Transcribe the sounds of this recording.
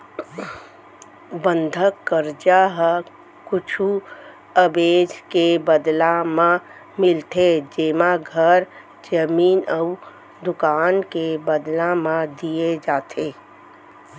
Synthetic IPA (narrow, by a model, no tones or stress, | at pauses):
bə̃nd̪ʱəkːəɾd͡ʒaɦ | kʊt͡ʃʰu | əbeːd͡ʒkebəd̪lamã | mɪlt̪ʰed͡ʒeːmãɡʱəɾ | d͡ʒəmiːnəu | d̪ʊkaːnkebəd̪lãmãd̪ijed͡ʒaːt̪ʰe